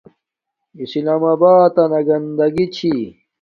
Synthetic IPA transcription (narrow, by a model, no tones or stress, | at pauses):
islaːmabaːt̪ɐnɐɡɐnd̪ɐɡit͡ɕʰi